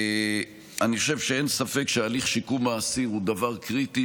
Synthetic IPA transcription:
aniχoʃevʃeensafekʃealiχʃikumaːsiʁud̪avaʁkʁit̪i

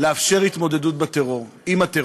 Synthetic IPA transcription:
leafʃe̞ʁit̪mo̞ded̪ut̪̚bat̪eʁo̞ʁimat̪e

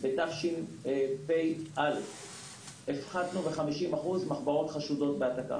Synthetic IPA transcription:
betaχʃinepejʔal | efχad̪nuveχamiʃimaχuzmaχbaʁo̞tχaʃudo̞t̪̚beataka̰

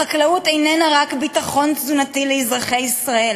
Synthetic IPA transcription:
aklautejnenaʁakbitaχo̞nzunatileizʁaχe̞jisʁael

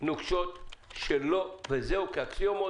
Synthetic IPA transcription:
nuɡʃot̪ʃelovezeukeakliomo

